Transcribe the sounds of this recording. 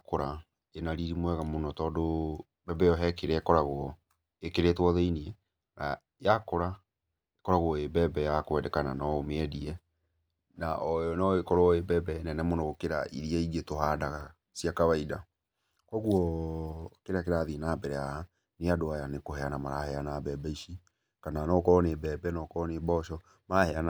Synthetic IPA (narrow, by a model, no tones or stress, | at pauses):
koɾa | enaɾiɾimwɛɣamonɔtɔːdo | bɛbɛjɔɦɛkeɾɛkɔɾaɣoɔ | ekeɾetwɔðeiniɛ | na | jakoɾa | ekɔɾaɣwɔebɛbɛjakwɛdɛkananɔomeɛdiɛ | na̰ʔɔɔnɔekɔɾɔebɛbɛnɛnɛmonɔɣokeɾaʔḭɾiaiɡetohadaɣa | siakaβaida | kɔɣwɔ | keɾakeɾaðinabɛɾɛaha | neadoajanekohɛanamaɾahɛanabɛbɛiʃi | kananɔkɔɾɔnebɛbɛnɔkɔɾɔnebɔʃɔ | mahɛan